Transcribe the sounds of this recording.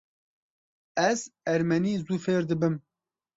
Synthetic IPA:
ɛzɛɾmɛniːzuːfeːɾd̪ɨbɨm

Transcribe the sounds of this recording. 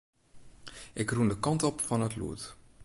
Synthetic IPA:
ʔɪkrundəkɑntɔpfɔnətlṵət

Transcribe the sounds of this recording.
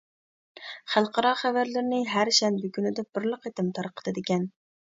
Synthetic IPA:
χælˠqɑɾɑχævæɾlɪɾnɪɦæɾʃɛnbyɡʲynɪd̪ɛb̥ɪɾlˠəqet̪ɪmt̪ʰɑɾqʰə̥d̪ɨd̪ɪkʲɛn

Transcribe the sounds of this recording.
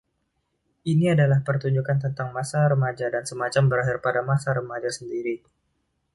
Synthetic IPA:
ʔiniadalahpərt̪uɲd͡ʒukant̪ənt̪aŋmasaɾəmad͡ʒadansəmat͡ʃambəɾaɦɪrpadamasaɾəmad͡ʒasəndiɾi

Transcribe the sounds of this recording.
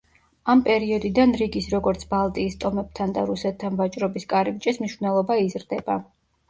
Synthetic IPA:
ampʼɛɾiɔd̪id̪anɾiɡisɾɔɡɔɾt̪sʰbalˠt̪ʼiːst̪ʼɔmɛb̚t̪ʰand̪a̰ɾusɛt̪ʰːanvat͡ʃʼɾɔbiskʼaɾib̚t͡ʃʼɛsmniʃvnɛlˠɔbaizɾd̪ɛba

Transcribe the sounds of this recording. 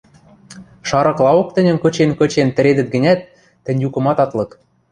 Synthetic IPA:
ʃɑɾɤ̆klˠɑok̚t̪ə̆nʲə̆mkɤ̆t͡ɕenkɤ̆t͡ɕent̪ɘ̆ɾed̪ə̆t̪̚ɡɘ̆nʲæt̪ː | ɘ̆nʲjukɤ̆mɑt̪ɑt̪lɤ̆k

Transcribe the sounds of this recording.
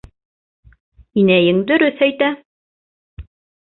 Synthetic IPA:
inæjɘŋd̪ɵ̆ɾɵθæjt̪æ

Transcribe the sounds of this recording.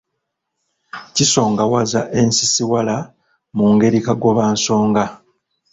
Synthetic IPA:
ciso̞ːŋɡawazaʔe̞nsisiwala | muŋɡe̞ɾikaɡwo̞βaːnso̞ːŋɡa

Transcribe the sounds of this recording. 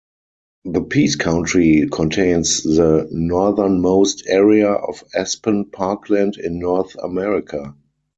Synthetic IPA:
ðəpʰiːskʰãʊ̃ntɹikʰɔ̃ntʰẽɪ̃nsðənɔðə˞nmoʊstʰɛɹiaʔɔ̰fɛspə̃npʰakʰlæ̃ndɪ̰̃nːɔθə̰mɛɹɪkʰa

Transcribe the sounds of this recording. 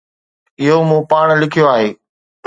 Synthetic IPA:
ɪɦomũːpaːɽ̃lɪkʰijoaːɦeː

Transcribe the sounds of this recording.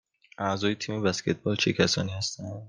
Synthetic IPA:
ʔæzɒːjet̪ʰiːmebæscʰe̞t̪̚ʰbɒːlt͡ʃʰecʰæsɒ̰ːniːhæst̪ænd̪

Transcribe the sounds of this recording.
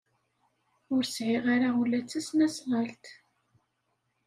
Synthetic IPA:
ʊɾsʕɪʁaɾaulːæt͡sːæsnæsʁəlt̪

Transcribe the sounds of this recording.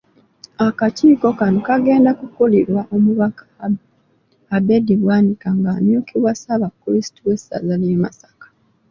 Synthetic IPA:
akaciːko̞kanokaɡe̞ːndakukoliɾwaʔomuβakḁab | abediβwaːnikaŋɡanjokiβwasaβakːuɾisi̥tuwesa̰zalema̰sḁkḁ

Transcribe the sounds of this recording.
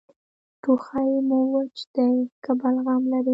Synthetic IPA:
ʈuxajmuwət͡ʃd̪̥əkabalɣamlaɾi

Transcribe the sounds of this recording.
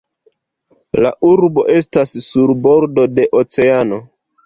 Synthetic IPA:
la̰ʔuɾbo̞̰ʔe̞stassuɾbo̞ɾdo̞de̞ʔot͡se̞ano̞

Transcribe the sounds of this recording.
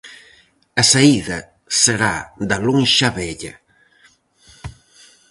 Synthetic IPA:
ɐsaiðɐ | seɾad̪ɐloŋʃɐβɛʎɐ̰

